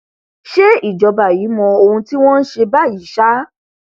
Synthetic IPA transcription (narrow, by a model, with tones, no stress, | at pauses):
ʃe˦i˦˨d͡ʒɔ˨˧ba˨ji˨˦mɔ̃˧o˧hũ˧ti˦w̃ɔ̃˦n̩˦ʃe˧ba˦˨ji˨˦ʃa˦